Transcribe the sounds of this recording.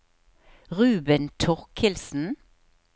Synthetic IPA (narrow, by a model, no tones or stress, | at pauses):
ʁʉːbənt̪ʰɔʁkhɪlsn̩